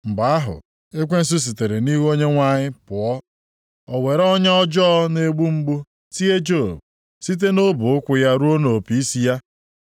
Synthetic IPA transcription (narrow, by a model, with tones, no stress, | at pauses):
m̩˨ba˨a˦ɦʊ̰˨ | e˦kʷe˦n̩˦s̬u˦s̬i˨te˨ɾe˨ni˦ɦo˦ɲe˦ŋʷa˦ɲɪ˦pʊ˨ɔ˦ | ɔ˨we˨ɾɔ˦ɲa˦ɔ˦d͡ʒɔ˦ne˦ɡ͡bu˦ŋ͡m̩˦ɡ͡bu˦ | si˦e˦d͡ʒo˦˨b | si˦t̬e˦no˦bʊ˨ʊ˦kʷʊ˦ja˦ɾu˦o˦no˨pi˦i˦si˦ja˦